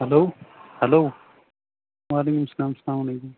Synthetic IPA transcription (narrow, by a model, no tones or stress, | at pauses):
hɐloːhɐloː | waːleːkumsɐlaːmslaːmalekum